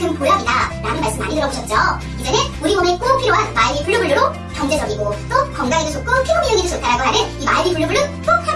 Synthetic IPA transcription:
kɯnpoɭːabidaɾanɯnmaɭs͈ɯma̰ɲidɯɾʌboɕʰʌt̚t͡ɕ͈o | id͡ʑʌneuɾimʌmek͈opʰiɾowanmaɭbipuɭːɯbɯɭːɯɾo | kʌŋd͡ʑed͡ʑʌɡiɡot͈okʌŋɡaɡidesʰok͈opʰiomiɲʌŋidesot͈ʰaɾaɡoɦaɾɯnimaibipuɭːɯbuɭɯk͈opʰa

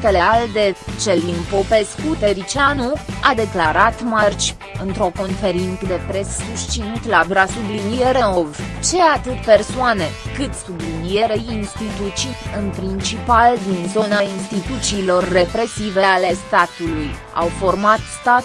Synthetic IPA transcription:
t̪eleald̪e̞t͡ʃe̞limpo̞pe̞skut̪eɾit͡ʃianuad̪e̞klaɾat̪mart͡ʃʲ | ɨnt̪ɾo̞ko̞nfe̞ɾink̪d̪e̞pɾe̞sːust͡ʃint̪labɾasublinijeɾeovt͡ʃe̞at̪ɨt̪pe̞rsoane̞kɨt̪sublinije̞ɾeinst̪it̪ut͡ʃiɨnpɾint͡ʃipald̪inzo̞nainst̪it̪ut̪siːlo̞rːe̞pɾe̞sive̞ale̞st̪at̪uluj | a̰wfo̞rmat̪st̪at̪

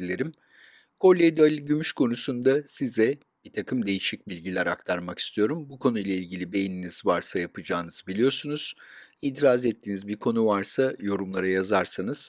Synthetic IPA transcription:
ilʲeɾim | kʰo̞lʲːed̪oalʲiɟymyʃkʰo̞nusund̪asizɛ | b̥it̪ʰakʰɯmd̪e̞jiʃic̚bilʲɟilʲæɾak̚t̪ʰaɾmaki̥st̪ʰijo̞ɾumbukʰo̞nujlʲˠailʲɟʲilʲibe̞jininiz̥vaɾsajapʰɯd͡ʒaːnɯz̥bilʲijo̞ɾsunuz̥iːt̪ʰiɾazɛt̪ʰːiːnizbiɾkʰo̞nuvaɾsajo̞ɾumlˠaɾajazaɾsanɯz̥

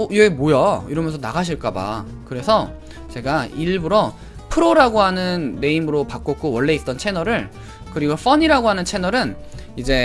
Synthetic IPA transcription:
ojemojʌiɾʌmjʌnsʰʌnaɡaɕ̬ʰiɭk͈aba̰ | kɯɾe̞sʰʌ | t͡ɕe̞ɡaiɭbuɾʌ | pʰɯɾoɾaɡoɦanɯnːe̞imɯɾopak͈ok͈owʌɭːe̞it͈̚ʌnt͡ɕʰe̞nʌɾɯɭ | kɯɾiɡof͈ʌɲiɾaɡoɦanɯnt͡ɕʰe̞nʌɾɯnid͡ʑe̞

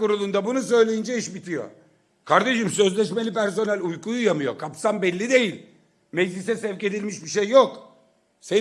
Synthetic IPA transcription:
kuɾulˠund̪abunus̬ø̞jlʲejind͡ʒɛiʃbit̪ʰijo̞̰ | kʰaɾd̪e̞ʃɯmsø̞zlʲɛʃme̞lʲipæɾs̬o̞nælʲujkujujamɯjo̞̰kʰapsambɛlʲːid̪e̞jilʲ | mɛd͡ʒlʲisɛsɛvce̞d̪ilʲmiʃbiʃejːok | se

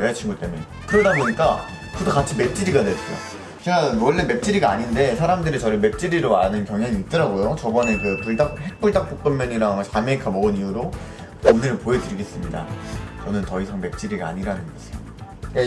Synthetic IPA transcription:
eat͡ɕʰinɡot͈e̞munekɯɾʌdaboɲik͈a | kɯdokat͡ɕʰime̞p̚t͡ɕ͈iɾiɡadet͡ɕ͈o̰ | t͡ɕinawʌɭːe̞me̞p̚t͡ɕ͈iɾiɡaaɲinde̞sʰaɾamdɯɾit͡ɕʌɾɯɭme̞p̚t͡ɕ͈iɾiɾoanɯnkjʌŋɦjaŋiːt̚t͈ʌɾaɡojot͡ɕʌbʌne̞kɯpuɭdakhek̚p͈uɭdak̚p͈ok͈ɯmjʌɲiɾaŋt͡ɕameikʰamʌɡɯniuɾo | omɲiɾɯɭpoedɯɾiɡe̞s͈ɯmɲida̰t͡ɕʌnɯntʌisʰaŋme̞p̚t͡ɕ͈iɾiɡaa̰ɲiɾanɯnɡʌd͡ʑeo | k͈a

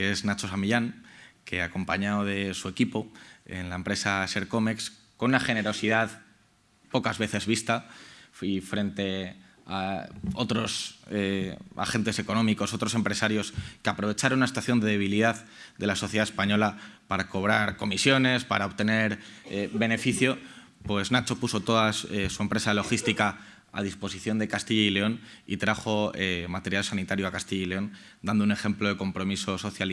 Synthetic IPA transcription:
kee̞znat͡ʃo̞samiʎaŋke̞̰ako̞mpaɲaoð̞e̞sue̞kipo̞e̞̰nlaempɾe̞saese̞ɾko̞meks | ko̞nunaxe̞ne̞ɾo̞siðað | po̞kazβe̞θe̞zβist̪aifɾe̞nt̪e̞ | ao̞t̪ɾo̞sea̰xe̞nt̪e̞se̞ko̞nõ̞miko̞so̞t̪ɾo̞s̬e̞mpɾe̞saɾjo̞skeapɾo̞β̞e̞t͡ʃaɾonunasi̥t̪waθjo̞nd̪e̞ðe̞β̞iliðað | d̪e̞laso̞θje̞ðaespaɲo̞lapaɾako̞β̞ɾaɾko̞misjo̞ne̞spa̰ɾaoβt̪e̞ne̞ɾebe̞ne̞fiθjo̞ | pwe̞znat͡ʃo̞puso̞t̪o̞ðasesue̞mpɾe̞salo̞xist̪ika | a̰ð̞ispo̞siθjo̞nd̪e̞kast̪iʝaile̞o̞n | ḭt̪ɾaχo̞emat̪e̞ɾjalsanit̪aɾjoakast̪iʝaileo̞n | d̪and̪oune̞xe̞mplo̞ðeko̞mpɾo̞miso̞so̞θjal

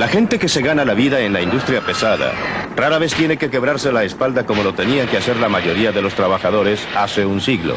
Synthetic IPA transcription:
laxe̞nt̪e̞ke̞se̞ɣanalaβiðaenlaind̪ust̪ɾjape̞saða̰raɾaβe̞st̪je̞ne̞ke̞ke̞βɾaɾse̞laespald̪ako̞mo̞lo̞t̪e̞niaŋke̞ase̞ɾlamaʝo̞ɾiaðe̞lo̞st̪ɾaβaxaðo̞ɾe̞sase̞unsiɣlo̞̰

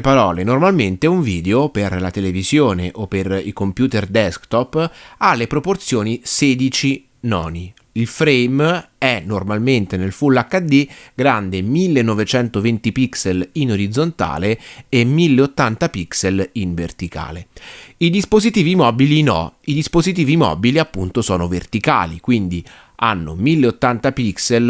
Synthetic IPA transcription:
paɾɔːlenormalment̪euɱviːd̪eoperlat̪elevizjoːneʔopːerḭkompjuːt̪erd̪ɛskt̪ɔpːalːepɾoport̪sjoːniseːd̪it͡ʃi | nɔ̰ːni | ilfɾejm | ɛnːormalment̪enelfulːakːad̪ːiɡɾand̪emilːenːɔvet͡ʃɛnt̪ovent̪ipikselinoɾid̪zːont̪a̰ːleemːilːeot̪ːant̪apikseliɱvert̪ika̰ːleid̪ispozit̪iːvimɔːbilinɔ̰id̪ispozit̪̬iːvimɔ̰ːbiliapːunt̪osɔːnovert̪ika̰ːlḭkwind̪i | a̰nːo̰milːeot̪ːant̪apiksel

